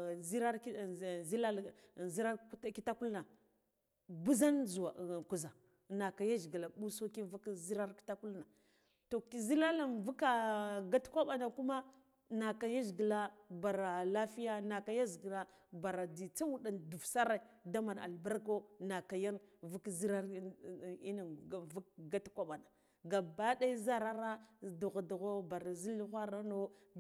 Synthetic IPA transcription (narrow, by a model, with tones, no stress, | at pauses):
zi˦ɾa˦ɾzi˦la˦˨zi˦ɾa˦ki˦ta˦ku˦lna˨ | bu˦za˦nzu˨a˨ku˨za˨ | na˨ka˨ja˦ʒɡi˨la˨bu˦so˦ki˦vu˦kzi˦ɾa˦ɾki̥˦ta˦ku˦lna˨ | to˨ki˨zi˦la˦la˦˨nvu˦ka˦ɡa˦tkʷa˦ɓa˨na˨ku˦ma˦ | na˨ka˨ja˦zɡi˨la˦ba˨ɾa˨la˦fi˦ja˦na˨ka˨ja˦zɡla˦ | ba˨ɾa˨di˨t͡sa˦wu˦ɗa˨ndu˨vsa˦ɾa˨da˦ma˨n˨a̰˨lba˦ɾko˦na˨ka˨ja˦nvu˦kzi˦ɾa˦ɾi˦na˨n˨vu˦k̚ɡa˦tkʷa˦ɓa˨na˨ | ɡa˨ba˦da˦i˦za˦ɾa˦ɾa˦du˨ɣa˨du˨ɣo˦ba˨ɾa˨zi˦lxʷa˦ɾa˦no˦